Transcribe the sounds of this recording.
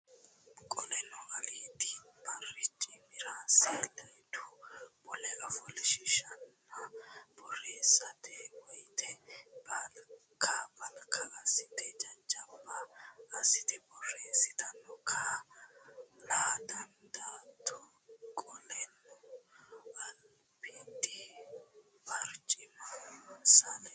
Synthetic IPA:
kʼɔlɛnɔɡɐliːt̪ibɐrɛt͡ʃʼimɪɾaːselɐjt̪ubɔlɛʔɐfɔlɪʃɪʃɐnːɐb̥ɔreːsɐt̪ɛwɔjt̪ʰɛbal | kʰabɐlkʰɐɐsɪt̪ɛd͡ʒɐnd͡ʒʼɐbːaːsɪt̪ɛbɔreːsɪt̪ɐnːɔkʰa | laːd̪ɐnd̪at̪ʰɔ | kʼɔlɛnːɔ | ʔɐl | pid̪ɪ | bɐɾt͡ʃʼɪmɐsɐlɛ

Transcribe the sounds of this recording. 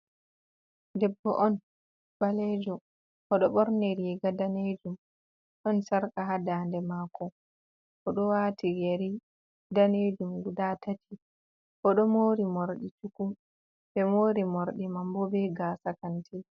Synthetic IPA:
dɛbːɔ̰ʔɔn | b̥alɛːd͡ʒɔ | ʔɔɗɔɓɔɾneɾiɡadaned͡ʒum | ɗɔnsaɾkaɦadaːndɛmaːkɔ | ʔɔɗɔwatijeɾi | daned͡ʒumɡudatatʰi | kɔɗɔmoːɾimoɾɗit͡ʃukum | bɛmoːɾimoɾɗimambɔbɛɡaːsakantʰi

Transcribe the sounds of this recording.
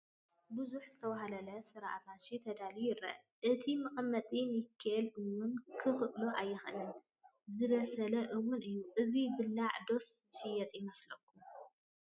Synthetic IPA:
bɨzuħzɨt̪ʰɐwaɦalɐlɐsɨɾa̰ʔamanʃit̪ʰɐd̪alijɪɾɐ̰ʔ | ʔɨt̪ʰimɨqʼɐmːɐt̪ʼinjɪkʰːaʔɐlʔɨwʊnkʰɨxɨʔloʔajːɪxʔɨnɨn | zɨβɐsɐlɐʔɨwʊnɨjːuʔɨzibɨlːaʕd̪o̞szɨʃɪjɐt̪ʼjɪmɐslɐkʰːum

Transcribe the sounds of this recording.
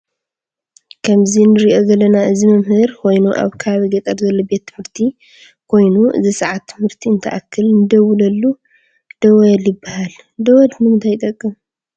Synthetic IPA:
kʰɐmzinɨɾiʔo̞ɡɐlɐnaɨzimɨmhɨɾkʰo̞jnuʔa̰βkʰaβiɡɐt̪ʼɐɾzɐlːobe̞t̪ʰːɨmhɨɾt̪ʰi | kʰo̞jnuɨ̰zisɐʕat̪ʰːɨmhɨɾt̪ʰiɨnt̪ʰɐʔa̰kʰːɨlnɨd̪ɐwulɐlːu | d̪̥ɐwɐjɐljɪbːahal | d̪ɐwɔd̪nɨmɨnt̪ʰajt̪ʼɐkʼːɨm

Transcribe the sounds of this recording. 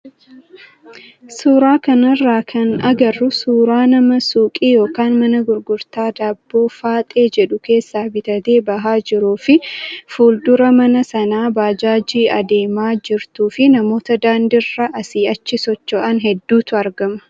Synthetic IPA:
suːɾaːkɐnɐrːaːkʰɐnɐɡɐrːʊsuːɾaːnɐmɐsuːkʼiːjo̞ːkaːnmɐnɐɡʊɾɡʊɾt̪aːd̪aːbːo̞ːfaːt̪ʼe̞ːd͡ʒɛᶑʊke̞ːsːaːbɪt̪ɐt̪eːbɐɦaːd͡ʒɪɾuːfɪfuːld̪ʊɾɐmɐnɐsɐnaːbaːd͡ʒaːd͡ʒiːʔɐd̪eːmaːd͡ʒɪɾt̪uːfɪnɐmo̞ːt̪ɐd̪aːnd̪ɪrːɐʔɐsiːɐt͡ʃːɪsɔt͡ʃːɔʔɐnɦɛd̪ːuːt̪ʊɐɾɡɐmɐ̥

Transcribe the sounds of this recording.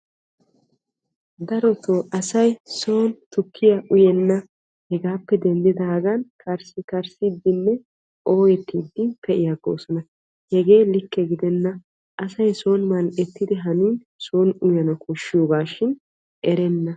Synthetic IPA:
d̪ɐɾɔt̪oːʔɐsɐjso̞ːnt̪ʊkʰːɪjɐʔʊjɛnːɐ | hɛɡaːpːɛd̪ɛnd̪ɪd̪ɐːɡɐnkʰɐɾsɪkɐɾsɪd̪ːɪnːɛ | ʔo̞ːjɛt̪ːiːd̪ːɪnpɛʔɪjaɡo̰ːsɔnɐ | hɛɡe̞ːlɪkːɛɡɪd̪ɛnːɐ | ʔɐsɐjso̞ːnmɐlʔɛt̪ːɪd̪ɪɦɐniːn | soːnʊjɐnɐkʊʃːɪjoːɡaːʃɪn | ʔɛɾɛnːɐ

